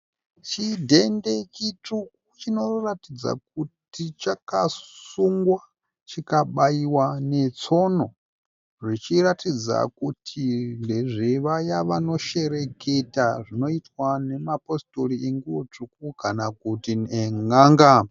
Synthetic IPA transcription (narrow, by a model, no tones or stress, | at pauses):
t͡ʃidʱe̞nde̞kituk̚ut͡ʃino̞ratid͡za̰k̚utit͡ʃakassuŋɡwa | t͡ʃikaɓaiwane̞t͡so̞no̞ | ʐit͡ʃiratid͡za̰kutʰindeʐiʋajaʋano̞ʃe̞ɾe̞ke̞taʐino̞itwane̞mapo̞storiʔeŋɡuwot͡ʂuk̚ukanakutineŋaːŋɡa